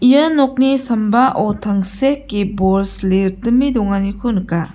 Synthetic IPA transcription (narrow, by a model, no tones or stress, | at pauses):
ijənɔk̚nisɐmbaʔɔtʰaŋsekːibɔlsleɾtɯmidɔŋanikʰunɯka